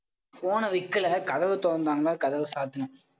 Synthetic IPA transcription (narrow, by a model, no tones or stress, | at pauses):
poːnɐʋɪkːɪlɐkɐðɐʋɯt̪oːnd̪aːŋɡɐɭɐkɐðɐʋɯsaːt̪ɐnɯ̃m